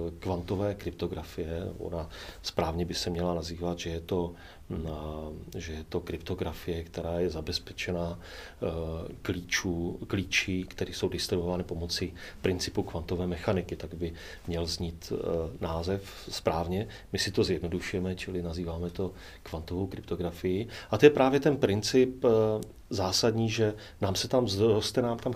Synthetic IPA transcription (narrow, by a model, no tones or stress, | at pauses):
kvant̪o̞vɛːkɾɪp̚t̪o̞ɡɾafɪjɛo̰naspɾaːvɲɛbɪsɛmɲɛlanaziːvat̪ʒɛjɛt̪o̞ | ʒɛjɛt̪o̞kɾɪpt̪o̞ɡɾafɪjɛkt̪ɛɾaːjɛzabɛspɛt͡ʃɛnaː | kliːt͡ʃuːkliːt͡ʃɪkt̪ɛɾiːso̞wdɪst̪ɾɪvovaːnɪpo̞mot͡sɪ | pɾɪnt͡sɪ̥pukvant̪o̞vɛːmɛxanɪkɪt̪aɡbɪ | mɲɛlzɲiːt̪naːzɛf | spɾaːvɲɛ | mɪsɪt̪o̞zjɛdno̞duʃujɛmɛt͡ʃɪlɪnaziːvaːmɛt̪o̞ | kvant̪ovowkɾɪp̚t̪o̞ɡɾafɪjɪʔat̪ojɛpɾaːvjɛt̪ɛnpɾɪnt͡sɪp | zaːsadɲiːʒɛ | naːmsɛt̪amzɾost̪ɛnaːmt̪am